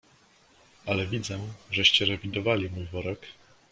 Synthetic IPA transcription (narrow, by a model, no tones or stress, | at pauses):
alɛvʲid̪zɛʐɛɕt͡ɕɛɾɛvʲid̪ɔvalʲimujvɔɾɛk